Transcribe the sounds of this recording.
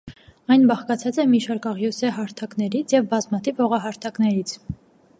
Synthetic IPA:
ɑjnbɑχkɑt͡sʰɑt͡sɛmiʃɑɾkɑʁjɔsɛɦɑɾt̪ʰɑknɛɾit͡sʰjɛvbɑzmɑt̪ʰivhɔʁɑɦɑɾt̪ʰɑknɛɾit͡sʰ

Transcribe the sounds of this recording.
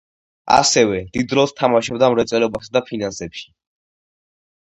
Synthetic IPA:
a̰sɛvɛd̪̥id̪ɾɔlˠst̪ʰamaʃɔbd̪amɾɛt̪sʼɛlɛbasad̪apʰinansɛpʃi̥

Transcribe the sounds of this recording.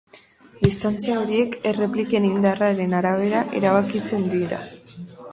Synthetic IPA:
d̪ist̪ant͡siaoɾie̞ke̞re̞plike̞nind̪araɾe̞naɾaβe̞ɾaʔe̞̰ɾaβ̞akit͡se̞nd̪iɾa̰

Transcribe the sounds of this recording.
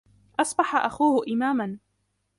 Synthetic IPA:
ʔɑsˤbɑħaʔaxuːhʊʔɪmaːman

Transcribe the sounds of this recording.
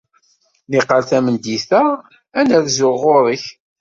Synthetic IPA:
niqːəlθæmənd̪iθæ | ænæðzʊʁʊɾˤəç

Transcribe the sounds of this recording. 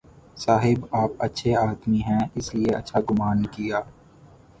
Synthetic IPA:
saːɦɪbaːpɐtːʃʰeaːt̪miɦɛ̃ɪslieɐ̰tːʃʰaɡʊmaːnkijaː

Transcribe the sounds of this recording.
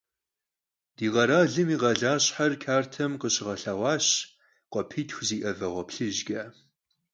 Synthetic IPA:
d̥iːʁɐɾaːɮɨmiːʁɐɮaːɕħarkʰaːrtʰɐmqəɕɪʁɐɬawɑːɕ | qʷɔpʰiːtʰxʷziːʔɐvɐʁʷɔpɬɨʒɡɐː

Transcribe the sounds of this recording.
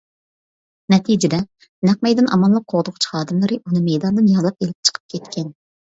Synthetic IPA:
nɛt̪ʰid͡ʒɪd̪ɛ | næq̚mɛjd̪ɨnʔɑ̰mɑnlˠəq̚qʰːoʁd̪ʊqt͡ʃʰhɑːd̪ɨmlˠɨɾɨʔunɨmɛjd̪ɑnd̪ɨnjɑlˠɑp̚elɪp̚t͡ʃʰə̥qʰə̥p̚kʲʰɛt̪kʲʰɛn

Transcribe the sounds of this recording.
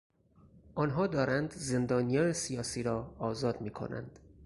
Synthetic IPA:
ʔɒːnɦɒːd̪ɒːɾænd̪ze̞nd̪ɒːnijɒːnesijɒːsiːɾɒːzɒːd̪miːkʰo̰næ̰nd̪̥

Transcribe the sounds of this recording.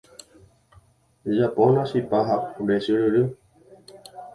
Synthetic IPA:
d͡ʒapõnasipaɦaɾesɨɾɨɾɨ

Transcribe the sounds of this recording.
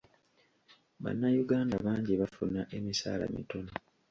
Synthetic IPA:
βa̰nːajuɡaːndaβaːɲɟiβafunːaʔe̞misa̰ːla̰mḭtono

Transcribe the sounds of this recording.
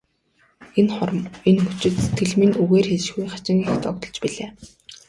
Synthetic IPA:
enχɔrmenxut͡ɕɪ̆t̪t̪ʰːeɮmĭnuɣeːrxeʃɣujχḁt͡ɕɪ̆ŋext̪ʰɔk̚t̪ɞ̆ɮt͡ɕpiɮeː

